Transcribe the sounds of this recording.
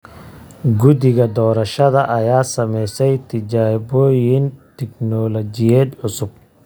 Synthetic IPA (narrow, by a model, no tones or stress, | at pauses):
ɡʊd̪ɪɣɐd̪ɔːɾɐʃɐðɐʔɐjaːsɐmɛjsɛjt̪ʰɪd͡ʒaːbɔːjɪnt̪ʰɪknɔlɔd͡ʒɪjɛːd̪ʕʊsʊb̚